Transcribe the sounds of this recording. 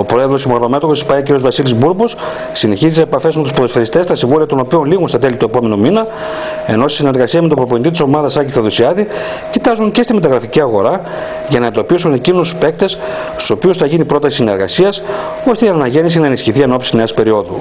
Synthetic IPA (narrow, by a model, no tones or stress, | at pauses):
o̞pɾo̞e̞ðɾo̞scemoɾlome̞t̪oxo̞si̥pɐio̞ciɾiozvɐsilizbuɾbos | sineçizit̪eepɐfe̞zmet̪uspoðsfeɾist̪e̞st̪ɐsiɱvoliɐt̪o̞no̞pio̞nliɣunst̪ɐt̪e̞lit̪ue̞po̞me̞numinɐ | e̞̰no̞st̪i̥sine̞ɾɣɐsiɐme̞t̪obɾo̞ponit̪it̪iso̞mɐðɐsɐciθɐðusiɐði | cit̪ɐzuɲce̞st̪ime̞t̪ɐɣɾɐficiɐɣo̞ɾɐ | ʝɐnɐend̪o̞pisune̞cinusspe̞k̚t̪e̞s | st̪u̥so̞piusθɐʝinipɾo̞t̪ɐsisine̞ɾɣɐ̰siɐs | o̞st̪einɐnɐʝe̞nis̬inɐenisçiθie̞no̞psi̥ne̞ːspe̞ɾio̞ðṵ